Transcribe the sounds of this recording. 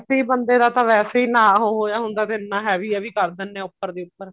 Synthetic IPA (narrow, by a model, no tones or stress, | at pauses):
seiːbənd̪eːd̪aːt̪ãːʋɛːseːiːnãːɦoːɦoːjaːɦʊnd̪aːt̪eɪnːãːɦɛːʋiːɛːʋiːkəɾd̪ɪnːɛ̃ːʊpːəɾd̪iːʊpːəɾ